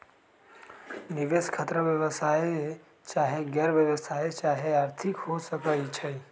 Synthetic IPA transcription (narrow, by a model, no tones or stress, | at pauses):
niʋeskʰət̪ɾəʋjəʋəsaːje | t͡ʃaːɦeɡɛːɾʋjəʋəsaːet͡ʃaːɦeaːɾt̪ʰɪkɦosəkəit͡ʃʰe